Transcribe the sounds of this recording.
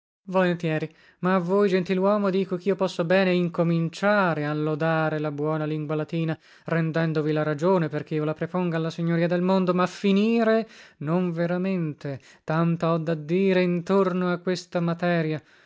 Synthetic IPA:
volent̪jɛːɾi | maːvːoːjd͡ʒent̪ilwɔːmod̪iːkokiːopɔsːobɛːneiŋkomint͡ʃaːɾealːod̪aːɾelabwɔːnaliŋɡwalat̪iːna | rɛnd̪ɛnd̪ovilaɾad͡ʒoːneperk̟eiolapɾepoŋɡaːlːasiɲːoɾiːad̪elmond̪omafiniːɾenoɱveɾament̪e | t̪ant̪oɔd̪ːad̪ːiːɾeint̪ornoakːwest̪amat̪ɛːɾja

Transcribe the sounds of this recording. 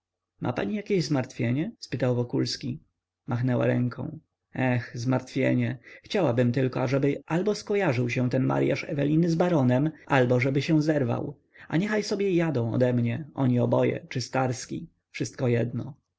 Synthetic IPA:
mʔa̰paɲijakʲeʑzmaɾt̪fʲjeɲɛspɘt̪awvɔkulskʲi | maxnɛwa̰ɾɛŋkɔ̰̃w̃ | ɛxzmaɾt̪fʲjḛɲɛxt͡ɕawabɘmt̪ɘlkɔaʐɛbɘʔalbɔskɔjaʐɘwɕɛw̃t̪ɛnma̰ɾja̰ʂɛ̰vɛlʲinɘzbaɾɔnɛmalbɔʐɛbɘɕɛw̃zɛɾva̰w | a̰ɲɛxajsɔbʲjɛjad̪ɔ̃w̃ɔ̰d̪ɛmɲɛʔɔɲiɔbɔjɛ̰t͡ʂɘst̪aɾskʲḭ | fʂɘst̪kɔjɛd̪nɔ

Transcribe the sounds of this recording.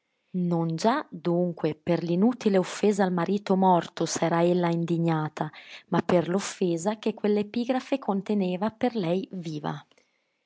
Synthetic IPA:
nond͡ʒad̪uŋkweperlinuːt̪ileofːeːzaːlmaɾiːt̪omɔrt̪osɛːɾaelːaind̪iɲːaːt̪ʰamapːerlofːeːzakekːwelːepiːɡɾafekʰont̪eneːvaperlɛjviːva̰

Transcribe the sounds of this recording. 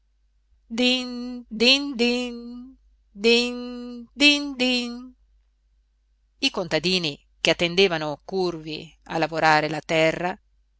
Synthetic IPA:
d̪ind̪ind̪in | d̪ind̪ind̪in | ikont̪ad̪iːni | k̟eat̪ːend̪eːvanokurvḭa̰lːavoɾaːɾelat̪ɛrːa

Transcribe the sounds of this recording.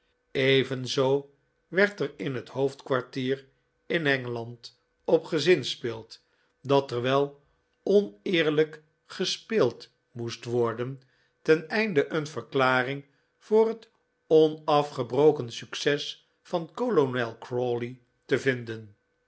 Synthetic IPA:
ejvənzow | ʋɛɹtərɪnɦəthoftkʋaɹtiːr | ɪnɛŋəlɑnt | ɔpχəzɪnspɪːlˠt | dɑtəɹʋɛlˠ | ɔnɪːɹlək | χəspɪːlˠt | mustʋɔɹdən | tɛnɛjndəʔənvəɹklaːrɪŋ | v̥ʊːrɦət | ɔnɑfχəbrowkənsyksɛs | fɑnkolonɛlˠkrɔli | təvɪndən

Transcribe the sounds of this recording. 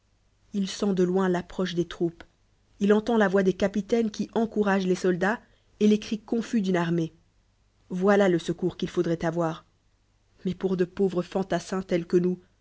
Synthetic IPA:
ilsɑ̃d̪əlwɛ̃lapχɔʃd̪et̪χup | ilɑ̃t̪ɑ̃lavwad̪ekapit̪ɛnkʲiʔɑ̃kuʁaʒlesɔld̪a | elekχikɔ̃fyd̪ynaʁme | vwalaləsəkuʁkʲilfod̪ʁɛt̪avwaːʁ | mɛpuʁd̪əpovʁəfɑ̃t̪asɛ̃t̪ɛlkənu

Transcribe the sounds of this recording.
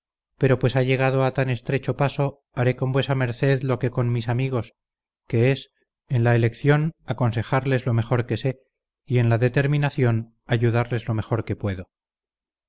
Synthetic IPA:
pe̞ɾo̞pwe̞saʝe̞ɣ̞að̞o̞at̪ane̞st̪ɾe̞t͡ʃo̞paso̞ | aɾe̞ko̞mbwe̞same̞ɾθe̞ðlo̞ke̞ko̞nmisamiɣ̞o̞s | ke̞es | e̞nlaele̞kθjo̞nako̞nse̞xaɾle̞zlo̞me̞xo̞ɾke̞se̞ | ie̞nlaðe̞t̪e̞ɾminaθjo̞n | aʝuðaɾle̞zlo̞me̞xo̞ɾke̞pwe̞ðo̞

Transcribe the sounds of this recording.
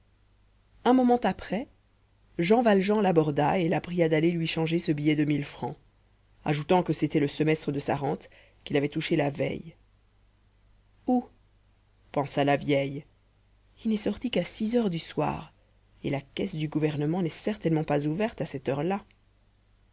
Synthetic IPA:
ɛ̃mɔmɑ̃t̪apχɛ | ʒɑ̃valʒɑ̃labɔʁd̪aelapχijad̪alelɥiʃɑ̃ʒesəbijɛd̪əmilfχɑ̃ | a̰ʒut̪ɑ̃kəset̪ɛləsəmɛst̪χəd̪əsaʁɑ̃t̪ | kilavɛt̪uʃelavɛ̰j | u | pɑ̃salavjɛj | ilnɛsɔʁt̪ikasizœʁd̪yswa̰ːʁ | elakɛsd̪yɡuvɛʁnəmɑ̃nɛsɛʁt̪ɛnmɑ̃pazuvɛʁt̪asɛt̪œʁla

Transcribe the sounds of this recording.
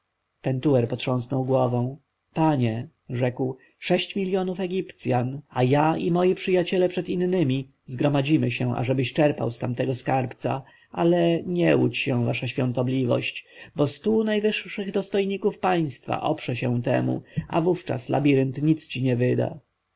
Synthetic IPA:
pɛnt̪uwɛɾpɔt̪ʂɔ̃ñsnɔwɡwɔvɔ̃w̃ | paɲɛ | ʐɛkw | ʂɛɕt͡ɕmʲilʲjɔnufɛɡʲipt̪sʲjanajaimɔjipʂɘjat͡ɕɛlɛpʂɛt̪inːɘmʲi | zɡɾɔmad͡ʑimɘɕɛ̃ʔa̰ʐɛbɘɕt͡ʂɛɾpa̰wst̪amt̪ɛɡɔskaɾpt̪sa̰ | ʔalɛɲɛut͡ɕɕɛ̃vaʂaɕfʲjɔ̃nt̪ɔblʲivɔ̰ɕt͡ɕbɔst̪unajvɘʂːɘɣd̪ɔst̪ɔjɲikufpaj̃st̪fa̰ʔɔ̰pʂɛɕɛw̃t̪ɛ̰mṵa̰vuft͡ʂa̰sla̰bʲiɾɘnt̪ɲit̪st͡ɕiɲɛvɘd̪a̰

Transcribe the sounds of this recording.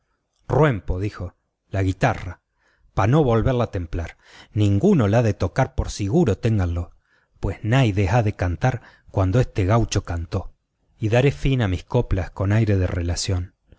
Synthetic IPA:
rwe̞mpo̞ðixo̞ | laɣit̪ara | pano̞βo̞lβe̞ɾlat̪e̞mplaɾ | nĩŋɡuno̞laðe̞t̪o̞kaɾpo̞ɾsiɣuɾo̞t̪eŋɡanlo̞ | pwe̞snajðexaðe̞kant̪aɾ | kwand̪oest̪eɣawt͡ʃo̞kant̪o̞ | iðaɾe̞finamiskoplasko̞najɾe̞ðḛrelasjo̞n

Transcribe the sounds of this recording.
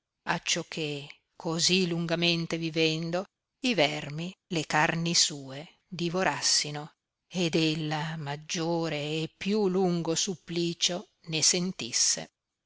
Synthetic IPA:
a̰t͡ʃːokʰːe | kʰoziluŋɡament̪evivɛnd̪o | ivɛrmilekarnisuːe | d̪ivoɾasːino | ed̪elːamad͡ʒːoːɾeːpːjuluŋɡosupːliːt͡ʃo | nesent̪isːḛ

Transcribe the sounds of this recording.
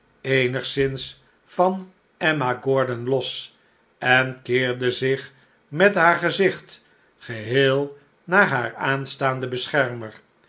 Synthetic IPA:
ejnəχsɪns | fɑn | ɛmaɡɔɹdənlɔs | ɛnkɪːɹdəzɪχ | mɛtɦaːɹχəzɪχt | χəɦeːlˠ | naːɹɦaːɹaːnstaːndəbəsχɛɹməɹ

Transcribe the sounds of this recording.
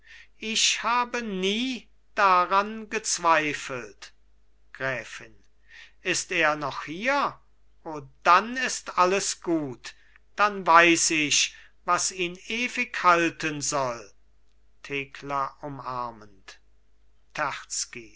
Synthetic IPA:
ʔɪʃhaːbəniː | d̥aʁanɡət͡sv̥aɪfəlt | ɡ̥ʁɛːfɪn | ʔɪsteːɐnɔχhiːɐ | ʔoːd̥anɪstʔaləsɡ̥uːt | d̥anvaɪsɪʃvasiːneːvɪkhaltənzɔl | tʰeːkʰlɐʊmaɐmənt | tʰæʁt͡ski

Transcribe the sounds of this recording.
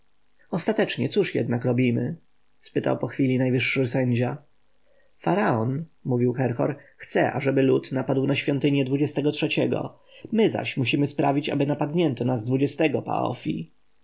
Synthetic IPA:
ɔst̪at̪ɛt͡ʂɲɛt̪suʂjɛ̰d̪nakɾɔbʲimɘ̰ | spɘt̪a̰wpɔxfʲilʲinajvɘʂːɘsɛɲd͡ʑa | faɾaɔnmuvʲiwxɛɾxɔ̰ɾxt̪sɛ̰ʔa̰ʐɛbɘlut̪napad̪wnaɕfʲjɔ̃nt̪ɘɲɛd̪vud͡ʑɛst̪ɛɡɔtʂɛt͡ɕɛɡɔ̰ | mɘza̰ɕmuɕimɘspɾavʲit͡ɕa̰bɘnapad̪ɲɛnt̪ɔnazd̪vud͡ʑɛst̪ɛɡɔpa̰ɔ̰fʲḭ

